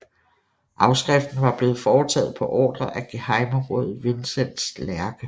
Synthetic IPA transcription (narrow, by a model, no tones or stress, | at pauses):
ʔɑ̈ʊsɡ̥ʁɛfd̥n̩ʋɑ̈b̥le̝ːð̞̩ˠfɒːt͡sʰɛ̰ːð̞̩ˠpʰɒ̽ʔɒ̰ːd̥ɐʔæɡ̥ehɑ̈ɪmɐʁɔ̰ð̰̩ˠʋe̝nsen̰d̥slæɐɡ̥ə